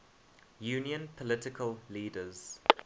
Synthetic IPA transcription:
juːniə̃npʰɔlɪtɪkʰəlliːdəz̥

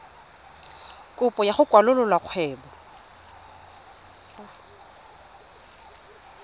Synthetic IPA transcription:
kʼʊpʼɔjaχʊkʼwalʊlɔlwaq͡χʰwɛːbɔ

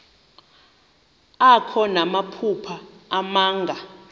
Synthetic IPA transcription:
akʰɔnamapʰupʰaːmaːŋɡʱa

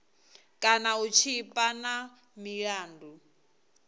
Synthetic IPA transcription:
kʼanaut͡ʃʰipʼana | miɺaːndu

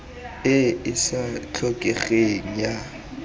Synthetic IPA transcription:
ɪɪsat͡ɬʰɔkʼɛɣeŋ̩ja

